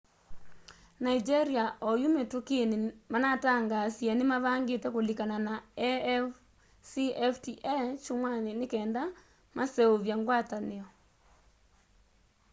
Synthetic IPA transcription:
naid͡ʒeɾiaʔɔjumetokenemanataŋɡasjanemaβaːŋɡetɛkolikananaɛf | siɛftiʔɛt͡ʃomwanenekɛːnda | masɛoβjaŋɡwataneɔ

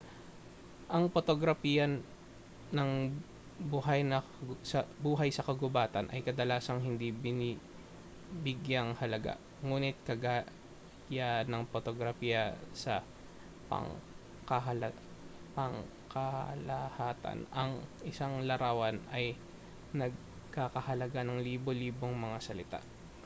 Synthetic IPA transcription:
ʔɐŋpot̪oɡɾɐfiːjɐnː | ɐŋ | buɦajnɐ | sɐbuːɦɐjsɐkɐɡʊbaːt̪ɐnʔɐ̰jkɐd̪ɐlaːsɐŋɦɪnd̪ibɪni | bɪɡjɐŋhɐlɐɡa̰ʔ | ŋuːnɪt̪̚kɐɡa | janɐŋpot̪oɡɾɐfiːjɐsɐ | pɐ̰ŋ | kɐɦɐl | pɐŋ | kɐlɐhaːt̪ɐ̰nɐŋʔɪsaŋlɐɾaːwɐnɐj | nɐɡ̚ | kakɐhɐlɐɡanɐŋliːboliːbo̞ŋmɐŋasɐlɪt̪a̰ʔ

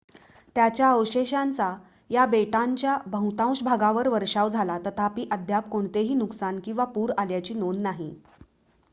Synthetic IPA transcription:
t̪jat͡ɕjaəʋɕeɕant͡sa | jabeʈaɲt͡ɕjabʱə̃ũt̪ãw̃ɕbʱaɡãʋəɾʋəɾʂaʋd͡zʱalat̪ət̪ʰapiːʔəd̪ʱjap̚koɳt̪eɦiːnuksankĩw̃ʋapuːɾaljat͡ɕiːnonːaɦi

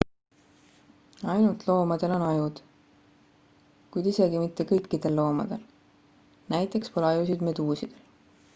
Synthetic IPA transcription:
ɑjnult̪ˑlo̞ːmɑd̪̥e̞lo̞nɑjud̪̥ | kujd̪ise̞ɡimit̪ːe̞kɤjkːid̪̥e̞lːo̞ːmɑ̰d̪̥e̞l | næjt̪ˑe̞kspolɑjus̬id̪me̞d̪uːsid̪̥e̞l

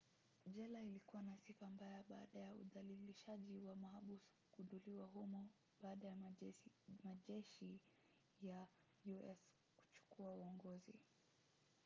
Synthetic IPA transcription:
ʄɛlailikuwanasikambajaɓaːɗajaṵðaliliʃaʄiwamaɦaɓusu̥ | ɡunduliwaɦumɔ | ɓaːɗaja | maʄɛʃi | ja | juʔɛs | ku̥t͡ʃu̥kuauɔŋɡɔzḭ

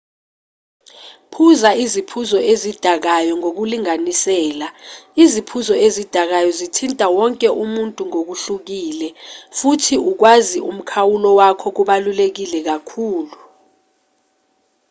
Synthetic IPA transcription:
pʰuzaizipʰuzɔezid̥ʱak̬ajɔŋok̬uliŋanisɛːlaizipʰuzɔezid̥ʱak̬ajɔzitʰintʼawɔŋkʼɛʔumuntʼuŋok̬uɬuk̬iːlɛfutʰiuk̬waziʔum̩kʰawulɔwakʰɔk̬uɓalulek̬ilɛk̬akʰuːlu

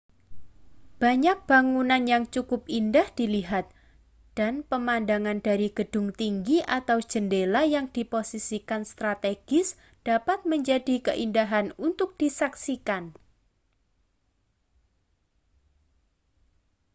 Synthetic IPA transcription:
b̥aɲak̚b̥aŋunanjaŋt͡ʃukʊp̚indahd̥iliɦat̪̚ | d̥anpəmandaŋand̥aɾiɡ̥əd̥ʊ̤ŋt̪iŋɡiʔat̪aw̥d͡ʒ̥əndelajaŋd̥iposisikanst̪ɾat̪eɡ̥ɪs | d̥apat̪̚məɲd͡ʒadikəʔindaɦanunt̪ʊk̚d̥isaksikan

